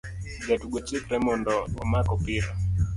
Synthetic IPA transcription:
d͡ʒatuɡɔt͡ʃɪkɾɛmɔndɔwɔmakɔpɪɾa

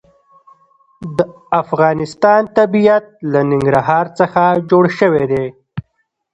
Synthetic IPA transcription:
d̪ə | afɣɑnɪst̪ɑnt̪abijat̪̚lanɪŋɡɾaɦɑɾt͡səxad͡ʒoɽʃəwed̪e

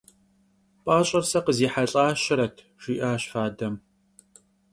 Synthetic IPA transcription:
pʼaːɕʼɐrsɐqəziːħaɬʼaːʃɪɾɐtʰ | ʒ̥iːʔaːɕfaːdɐm

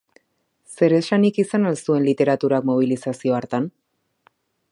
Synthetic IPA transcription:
se̞ɾe̞ʃanikisanalsue̞nlit̪e̞ɾat̪uɾakmo̞β̞ilisasio̞aɾt̪an

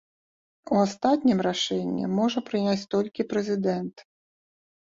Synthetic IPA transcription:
uast̪at̪ʲnʲimraʂɛnʲːḭmɔʐɐpɾɨnʲat͡sʲt̪ɔlʲkʲipɾɛzʲɪd̪ɛnt̪

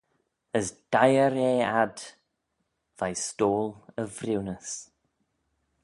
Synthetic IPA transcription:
əsd̥ajəɾeːad | vajstoːlˠəvrɪwnəs

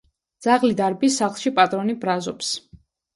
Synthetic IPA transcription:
d̪z̥aʁlid̪aɾbisaχlˠʃipʼat̪ʼɾɔnibɾazɔps

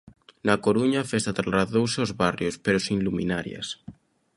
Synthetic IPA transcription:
nakoɾuɲafest̪at̪ɾaraðowseozβarjospeɾosĩnlumḭnaɾja̰s

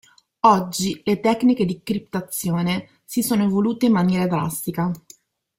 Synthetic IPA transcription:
ɔd͡ʒːilet̪ɛkːniked̪ikɾipt̪at̪sːjoːne | sisoːnovoluːt̪eimːanjɛːɾad̪ɾa̰st̪ika

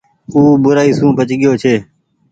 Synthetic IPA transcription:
uːbʊɾaːiːsũːpət͡ʃɠɪjoːt͡ʃʰeː

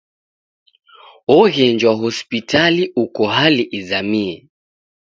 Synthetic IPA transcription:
ɔɣɛnd͡ʒwaɦɔspitʰaliʔukɔɦaliʔizamiɛ

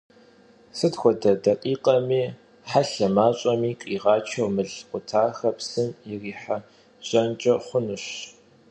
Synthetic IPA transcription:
sɨtxʷɔdɐdɐqʼiːqʼɐmiː | ħaɬɐmaːɕʼɐmiːqʼiːʁɑːt͡ʃʰɐwmɨɮqʷʊtʰaːxɐpsɨmɪriːħa | ʑ̥ʼɐnt͡ʃʼɐχʷʊnɨɕ

